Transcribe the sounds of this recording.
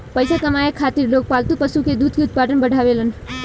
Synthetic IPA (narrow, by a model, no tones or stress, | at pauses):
pəjsakəmajekʰaːt̪iɾloːk̚paːlt̪upəsuked̪uːd̪ʱkeud̪̚ʱpaːʈənbəɖʱaːʋelən